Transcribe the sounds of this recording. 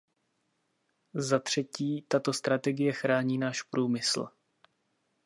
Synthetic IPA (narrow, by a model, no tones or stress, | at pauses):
zat̪r̝̥ɛciːt̪at̪o̞st̪ɾat̪ɛɡɪjɛxɾaːɲiːnaːʃpɾuːmɪsl̩